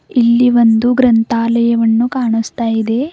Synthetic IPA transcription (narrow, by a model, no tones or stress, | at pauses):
ilːiʋond̪uɡɾɐnt̪aːlɐjɐʋɐnːukaːɳust̪aːjid̪e̞